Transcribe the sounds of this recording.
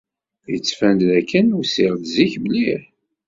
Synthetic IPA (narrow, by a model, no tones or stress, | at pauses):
jət͡sːfænd̪ðækːənusiʁðziçbəliɾ